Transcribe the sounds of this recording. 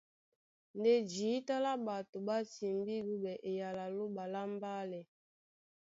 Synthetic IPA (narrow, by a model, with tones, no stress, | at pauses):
nde˦d͡ʒiː˨˦ta˦la˦ba˨to˨ba˦si˨mbi˦ɡu˦bɛ˨ʔe˨ja˨la˨lo˦ba˨la˦m˦ba˦lɛ˨